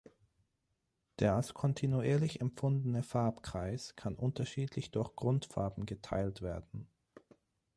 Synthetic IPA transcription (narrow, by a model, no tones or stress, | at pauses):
d̥eːɐalskʰɔntʰinuiːɐlɪçɛmpp͡fʊndənəfaɐpkʁ̥aɪskʰanʔʊntɐʃiːtʰlɪçd̥ʊɐçɡ̥ʁʊntfa̰ɐbm̩ɡətʰa̰ɪltv̥eːɐdn̩